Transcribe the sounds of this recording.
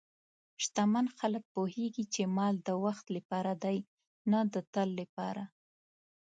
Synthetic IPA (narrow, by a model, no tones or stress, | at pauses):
ʃt̪amanxalək̚poheɡit͡ʃemɑld̪əwaxt̪lapɑɾad̪aj | nad̪ət̪əlːapɑɾa